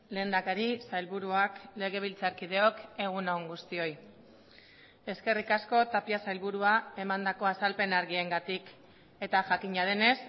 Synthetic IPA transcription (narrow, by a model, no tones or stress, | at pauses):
le̞ːnd̪akaɾisajlβuɾuakle̞ɣ̞e̞β̞ilt͡saɾkið̞e̞o̞ke̞ɣ̞unaoŋɡust̪io̞j | e̞ske̞rikasko̞t̪apiasajlβuɾuae̞mand̪ako̞asalpe̞naɾɣie̞ŋɡat̪ik | e̞t̪aʝakiɲað̞e̞ne̞s